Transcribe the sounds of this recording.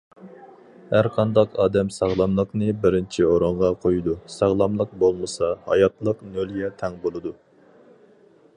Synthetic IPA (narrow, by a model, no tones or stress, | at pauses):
hæɾqʰɑnd̪ɑqɑːd̪ɛmsɑʁlˠɑmlˠəqnɨbɪɾɪnt͡ʃʰioɾoɴʁɑqʰojud̪usɑʁlˠɑmlˠəq̚bolˠmɨsɑhɑ̰jɑt̪lˠəqnølɡʲɛt̪ʰɛŋbolˠɨd̪u